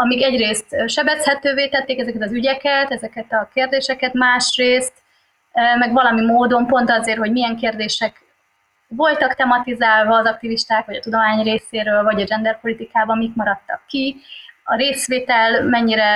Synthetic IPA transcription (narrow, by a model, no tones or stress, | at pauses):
ɒmiɡɛɟreːst̪ʃɛbɛshɛt̪øːveːt̪ɛt̪ːeːkɛzɛkɛt̪ɒzyɟɛkɛt̪ɛzɛkɛt̪ɒkeːrd̪eːʃɛkɛt̪maːʃreːst̪ | mɛɡvɒlɒmimoːd̪o̞mpo̞nt̪ɒzeːrho̞ɟmijɛŋkeːrd̪eːʃɛk | vo̞lt̪ɒkt̪ɛmɒt̪izaːlvɒːzɒk̚t̪iviʃt̪aːkʋɒɟɒt̪ud̪o̞maːɲreːseːɾøːlvɒɟɒd͡ʒɛnd̪ɛrpo̞lit̪ikaːbɒmikmɒɾɒt̪ːɒkːiɒɾeːsʋeːt̪ɛlmɛɲːiɾɛ